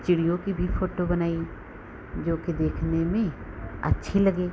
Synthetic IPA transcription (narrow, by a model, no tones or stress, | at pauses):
t͡ʃɪɽijõkibʱifoːʈobɐnaːi | d͡ʒoːked̪eːkʰnemẽ | ɐ̰tːʃʰilɐɡeː